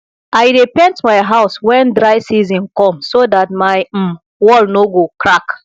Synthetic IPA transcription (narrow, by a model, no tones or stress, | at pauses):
aɪɹipɛ̃ntmaɪɦaʊswɛ̃ndɹaɪsizɔ̃nkɔ̃msodat̚maɪm̩ | wɔlnoɡokɹak